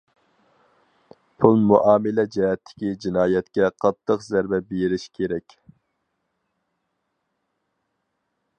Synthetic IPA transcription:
pʰulˠmuʔɑːmɪlɛd͡ʒɛɦɛt̪ʰːɪ̥kʲid͡ʒinɑːjɛt̪kʲɛqʰɑt̪ʰːəqzæɾbɛbeɾɪʃkʲʰeɾɛkʲ

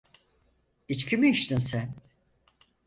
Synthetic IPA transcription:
it͡ʃkʰimiiʃt̪insæn

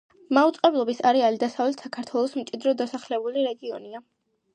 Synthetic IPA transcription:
maut̪sʼqʼɛblˠɔbisaɾɛalid̪asavlɛt̪sakʰaɾt̪ʰwɛlˠɔsmt̪t͡ʃʼid̪ɾɔd̪asaχlɛbuliɾɛɡiɔnia

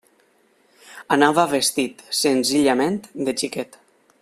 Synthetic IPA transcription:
anaβaβest̪it̪senziʎament̪d̪et͡ʃiket̪

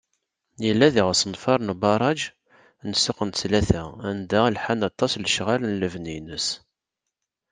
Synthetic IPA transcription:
jəlːæðiʁəsənfɑɾˤnbɑɾˤɑd͡ʒ | nsəqənt͡slæθæænd̪ælħanɑt̪ˤːɑsləʃʁalnləvninəs

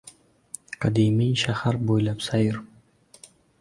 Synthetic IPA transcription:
qʰɑd̪imijʃahaɾbojlapsajɪɾ

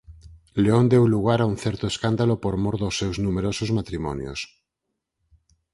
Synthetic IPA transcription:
leond̪ewluɣ̞aɾaunθɛɾt̪oeskand̪alopoɾmoɾðosːewznumeɾosozmat̪ɾimɔ̰njo̰s

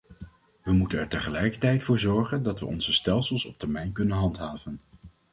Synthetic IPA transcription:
ʋəmutənɛɹtəχəlɛjkəɹtɛjtfʊːɹzɔɹχəndɑtʋə̰ʔɔ̰nzəstɛlˠsəlˠsɔp̚tɛɹmɛjnkɵnənɦɑntɦaːvən

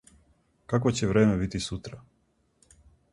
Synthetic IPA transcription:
kakʋot͡ɕeʋɾeːmebit̪isut̪ɾa

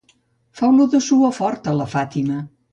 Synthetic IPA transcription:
fawnuðəsuəfɔɾt̪ələfat̪imə

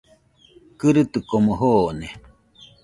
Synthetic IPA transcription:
kɨɾɨt̪ɨkomoɦoːne

